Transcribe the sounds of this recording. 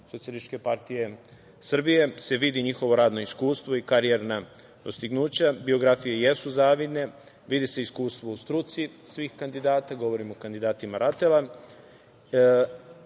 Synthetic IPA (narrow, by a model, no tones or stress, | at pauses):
sosielit͡ʃke̞paɾt̪ije̞ | sr̩bije̞se̞ʋid̪iɲixo̞ʋo̞ɾaːd̪no̞iskuːst̪ʋo̞ikaɾieɾna | d̪o̞st̪iɡnuːt͡ɕabio̞ɡɾafijeje̞suzaːʋid̪ne̞ | ʋid̪iseiskuːst̪ʋo̞ust̪ɾut̪sisʋiːxkand̪id̪aːt̪aɡo̞ʋo̞ɾimokand̪id̪aːt̪imaɾat̪ela